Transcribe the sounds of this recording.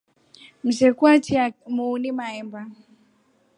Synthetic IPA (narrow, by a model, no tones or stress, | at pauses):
m̩sɛkwatiamuːnimaɛmba